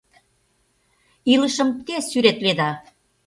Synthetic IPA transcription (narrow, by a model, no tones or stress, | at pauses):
iləʃə̆mt̪esyɾet̪ved̪ɑ